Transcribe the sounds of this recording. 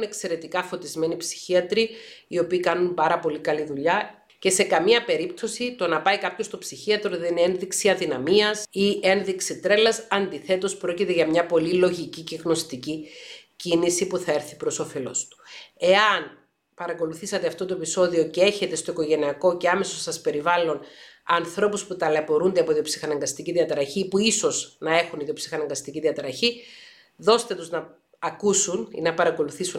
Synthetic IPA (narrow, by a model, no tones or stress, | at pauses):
une̞kse̞ɾe̞t̪ikɐfo̞t̪izme̞nipsi̥çiɐt̪ɾiio̞piːkɐnumpɐɾɐpo̞likɐliðuʎɐ | ce̞se̞kɐmiɐpe̞ɾipt̪o̞sit̪o̞nɐpɐikɐpço̞st̪o̞psiçiɐt̪ɾoðene̞nðiksiɐðinɐmiɐsie̞nðiksit̪ɾe̞lɐsɐnd̪iθe̞t̪o̞spɾo̞cit̪e̞ʝɐmɲɐpo̞lilo̞ʝiciceɣno̞st̪icicinisipuθɐe̞ɾθipɾo̞sofe̞lo̞̰st̪u̥e̞ɐn | pɐɾɐko̞luθisɐt̪e̞ɐft̪o̞t̪̬o̞e̞piso̞ðio̞cee̞çe̞t̪e̞st̪oiko̞ʝe̞niɐko̞ce̞ɐme̞sosɐspe̞ɾivɐlo̞nɐnθɾo̞pusput̪ɐlepo̞ɾund̪eɐpo̞iðio̞psixɐnɐŋɡɐst̪iciðiɐt̪ɾɐçipuiso̞znɐe̞xuniðio̞psi̥xɐnɐŋɡɐst̪iciðiɐt̪ɾɐçi | ðo̞st̪e̞t̪uznɐ | ɐkusunḭnɐpɐɾɐko̞luθisu